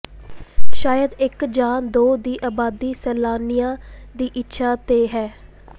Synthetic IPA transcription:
ʃaːjəd̪ɪkd͡ʒaːnd̪oːd̪iːʔaːbaːd̪iːsɛːlaːnɪjãːd̪iːʔɪtːʃʰaːt̪eːɦɛː

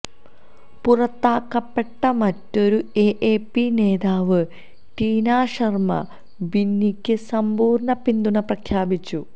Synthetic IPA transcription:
purɐt̪ːaːkːɐpːe̞ʈːɐmɐtːo̞ɾue̞ʔeːpːine̞ːðaːʋɨ | ʈiːnaːʂɐrmɐ̰ | binːikʲːɨsɐmbuːrɳɐpind̪uɳɐprɐkʰjaːbit͡ɕːu

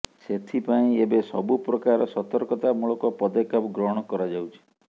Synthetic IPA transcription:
set̪ʰipaĩebesɔbupɾɔkaɾɔsɔt̪ɔɾkɔt̪amuɭɔkɔpɔd̪ɔkɔpɡɾɔɦɽ̃ɔkɔɾad͡ʒawt͡ʃʰi̥

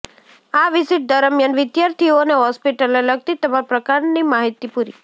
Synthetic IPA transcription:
aʋɪsiʈ̚d̪əɾəmjanʋɪd̪jaɾt̪ʰioneɦɔspiʈəleləɡ̚t̪it̪əmapɾəkaɾnimaɦit̪ipuɾi

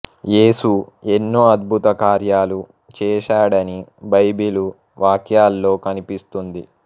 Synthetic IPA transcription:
je̞ːsue̞nːoːɐd̪̚bʱut̪ɐkaːɾjaːlu | t͡ʃɛːʃaːɽɐnibɐjbilu | ʋaːkʰjaːlːo̞ːkɐnipist̪und̪i

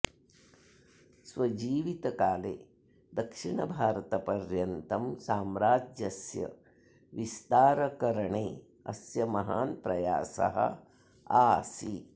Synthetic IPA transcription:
sʋɐd͡ʒiːʋit̪ɐkaːlḛː | d̪ɐkʂiɳɐbʱaːɾɐt̪ɐpɐɾjɐnt̪ɐmsaːmɾaːd͡ʒjɐsjɐ̰ | ʋist̪aːɾɐkɐɾɐɳeː | ɐsjɐmɐɦaːnpɾɐja̰ːsɐ̰ɦɐ̰ | aːsi

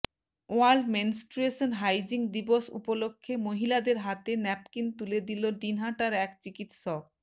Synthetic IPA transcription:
oaɾlɖmensʈɾueʃonɦajd͡ʑiŋd̪iboʃṵpolokʰːemoɦilad̪eɾɦat̪enɛp̚kint̪uled̪iloɖinɦaʈaɾɛkt͡ɕikit̪ʃɔk̚

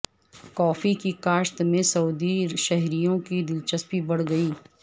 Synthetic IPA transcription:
kɔːfikikaːʃt̪mẽsɐud̪iʃɐɦɾijõkid̪ɪlt͡ʃəspibɐɽ̤ɡɐiː

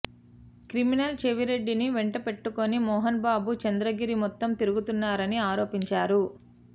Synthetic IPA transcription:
kɾiminɐlt͡ʃeʋiɾe̞ɖːiniʋeɳʈɐpe̞ʈːuko̞nimɔːɦɐnbaːbut͡ʃɐnd̪ɾɐɡiɾimɔt̪ːɐmt̪iɾuɡut̪unːaːɾɐniaːɾo̞ːpiɲt͡ʃaːɾu

